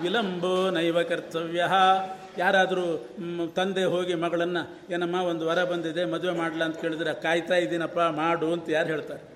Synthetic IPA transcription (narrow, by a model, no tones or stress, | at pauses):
ʋilɐmbunɐjʋɐkɐɾt̪ʰɐʋjɐɦɐ | jaːɾaːd̪ɐɾuː | t̪ɐnd̪eɦo̞ːɡimɐɡɐɭɐnːɐ | eːnɐmːaːond̪uʋɐɾɐbɐnd̪id̪e̞mɐd̪ʋe̞maːɽlɐɐnt̪ɐke̞ːɭid̪ɾekaːjt̪aːjid̪iːnɐpːamaːɽuɐnt̪ɐjaːɾɦeːɭt̪aːɾe